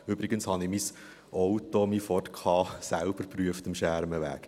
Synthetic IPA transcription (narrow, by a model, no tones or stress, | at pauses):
ʏbɾɪɡənshɑnimis | ʔɔʊtomiːfɔrtkʰɑːsælb̥əɾpryəftəmʃæɾməʋæ̰ːk